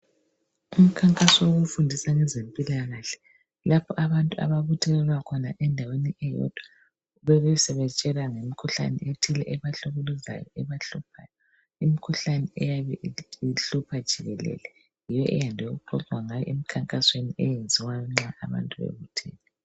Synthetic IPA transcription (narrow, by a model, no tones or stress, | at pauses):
um̩kʰaŋkʼasɔwoɣufundʱisaŋɛzempʼilaɣaɬɛ̥ | lapʰɔʔaβantʼua̰βaβutʰɛlɛlwakʰɔnaʔɛndʱaweniʔɛjɔ̰d̥ʱwa | βɛɣusɛβɛt͡ʃʼɛlaŋemikʰuɬa̰nɛ̰ʔetʰilɛ̰ʔɛβaɬoɣuluza̰jɔɛβaɬupʰaːjɔ | imikʰuɬanɛʔɛjaβɛiɬupʰad̥ʒ̥ʱiɣɛlɛ̰lɛ | jijɔʔɛjandʱeɣuǃɔzʱwaŋajɔ̰ʔemikʰaŋkʼasweniʔɛjend͡zʱiwajɔŋ͡ǁaa̰βa̰ntʼuβḛβutʰɛ̰ːlɛ